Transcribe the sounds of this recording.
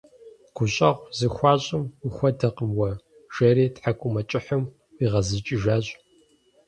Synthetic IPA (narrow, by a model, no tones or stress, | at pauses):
ɡ̥ʷʊɕʼɐʁʷzɨxʷɑːɕʼɪmʊxʷɐdɐqəmwɐ | ʒ̥ɐɾeːtħakʷʼʊmɐt͡ʃʼɪħʊm | wiːʁɐzɨt͡ʃʼɪʒaːɕʼ